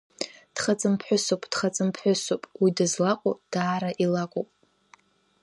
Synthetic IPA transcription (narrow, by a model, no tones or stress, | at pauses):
d̥χat͡sʼɨmpʰħʷᶣʊsopʼd̥χat͡sʼɨmpʰħʷᶣʊsopʼwidazlaqʷʼod̥aːɾaʔilakʷʼo̰pʼ